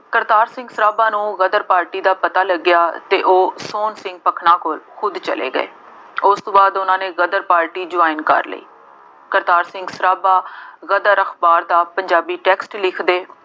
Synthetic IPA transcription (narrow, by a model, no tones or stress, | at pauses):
kəɾt̪aːɾsɪ̃ŋɡsəɾaːbaːnũːɣəd̪əɾpaːɾʈiːd̪aːpət̪aːləɡjaːt̪eːʔoːsoːnsɪ̃ŋɡ̚pəkʰnaːkoːlxʊd̪t͡ʃə̰lḛːɡə̰ḛː | ʊst̪õːbaːd̪ʊnãːneːɣəd̪əɾpaːɾʈiːd͡ʒʊaːɪnkə̰ɾlə̰iː | kəɾt̪aːɾsɪ̃ŋɡsəɾaːbaːɣəd̪əɾəkʰbaːɾd̪aːpəɲd͡ʒaːbiːʈɛːksʈlɪkʰd̪eː